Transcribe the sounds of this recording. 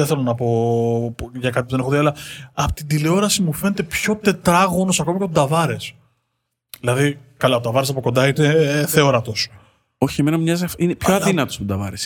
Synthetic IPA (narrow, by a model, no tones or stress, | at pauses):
eθe̞lo̞nɐpo̞ | ʝɐkɐt̪ipuðeneoðiɐlɐɐpo̥t̪ind̪ileo̞ɾɐsimufe̞net̪e̞pço̞t̪e̞t̪ɾɐɣo̞no̞sɐko̞mɐcet̪od̪ɐvɐɾe̞s | ðilɐðikɐlɐot̪ɐvɐɾesɐpo̞ko̞nd̪ɐineθeo̞ɾɐt̪o̞s | o̞çieme̞nɐumɲɐzfinepçoɐðinɐt̪ost̪od̪ɐvɐ̰ɾes